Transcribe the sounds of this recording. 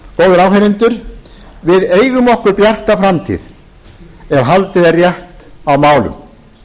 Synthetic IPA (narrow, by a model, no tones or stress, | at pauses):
koːwðʏɾaːwɦenɪnt̪ʏɾ̥ | vɪðeːjɣʏmɔhkʏɾpjar̥t̪afɾamt̪ʰḭð | ɛvɦalt̪ɪðarjaht̪awmaːwlʏ̰m